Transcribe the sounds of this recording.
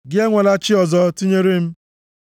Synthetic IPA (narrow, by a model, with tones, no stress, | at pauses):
ɡɪ˦e˦ŋʷe˨la˦t͡ʃɪ˦ɔ˨zɔ˨˦ti˦ɲe˦ɾe˦m̩˦